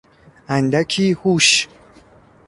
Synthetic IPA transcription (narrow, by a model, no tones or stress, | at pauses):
and̪akʰihuʃ